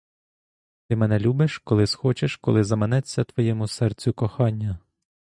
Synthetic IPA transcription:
t̪ɪmɛnɛlʲubeʃkɔlˠɪsxɔt͡ʃeʃkɔlˠɪzɐmenɛt͡sʲːɐt̪ʋɔjɛmʊsɛrt͡sʲʊkɔxɑnʲːɐ

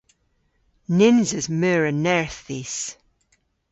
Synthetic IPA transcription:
nɪnzəzmɛːɹənɛɹθis

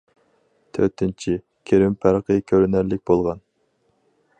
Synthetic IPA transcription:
t̪ʰø̰ɾt̪ʰɪnt͡ʃʰi | kʲʰeɾɪmpʰæɾqəkʲʰøɾynæɾlɪk̚ʲbolˠʁɑn

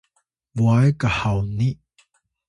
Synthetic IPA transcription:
vuajkahawni

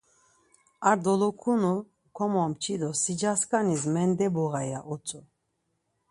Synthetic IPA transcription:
aɾd̪ɔlɔkʰunu | kʰɔmɔmt͡ʃʰid̪ɔsid͡ʒaskʼanizmɛnd̪ɛbɔɣajaʔɔt͡sʼɔ

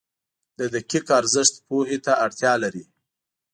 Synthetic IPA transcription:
d̪̥əd̪əkɪkaɾzəʃt̪pohet̪aaɽt̪jɑlaɾi

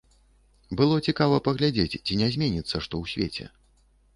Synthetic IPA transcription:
bɨlˠɔt͡sʲikavɐpɐɣlʲad͡zʲet͡sʲt͡sʲinʲɛzʲmʲenʲit̪sːɐʂt̪ɔwsʲvʲḛt͡sʲɛ̰

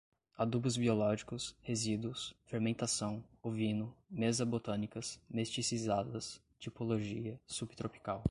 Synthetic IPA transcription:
ad̪ubʊzbiolɔʒikʊshezid̪uʊsfeɾmẽnt̪asɐ̃w̃ovĩnʊmezɐbot̪ɐ̃nikɐsmest͡ʃisizad̪ɐs | t͡ʃipoloʒiɐsubt̪ɾopi̥kaw

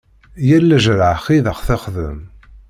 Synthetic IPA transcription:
jælːæʒɾəʕχiðəχθaχðə̰m

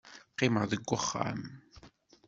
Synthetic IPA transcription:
qːɪməʁðəɡʷːəχːa̰m

